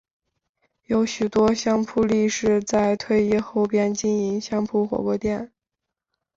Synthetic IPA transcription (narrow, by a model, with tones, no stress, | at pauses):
jo˧˥ʊɕy˨˩t̪wɔ˥ɕjɑ˥ŋpʰu˥˧li˥˧ʂɻ̩˥˧t͡sa˥˧ɪt̪ʰwe˥˧ɪi˥˧xo˥˧ʊpjɛ˥˧nt͡ɕi˥ni˧˥ŋɕjɑ˥ŋpʰu˥xwɔ̰˨˧˥kwɔ˥t̪jɛ˥˩n